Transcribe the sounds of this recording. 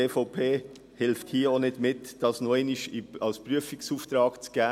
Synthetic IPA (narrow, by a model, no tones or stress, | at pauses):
eːfoʊpʰeː | hɪlfthiːonɪdmɪtd̥ɑsnɔɪnɪʃiɑlspʁyəfɪksuːft̪ɾɑːɡ̥t͡sɡ̥ɛː